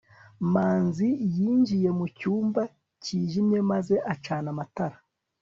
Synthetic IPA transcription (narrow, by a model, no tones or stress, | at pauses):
maːnzijiːɲd͡ʒije̞mucuːmba | ciːʒimje̞maze̞ʔat͡ʃaːnamataɾa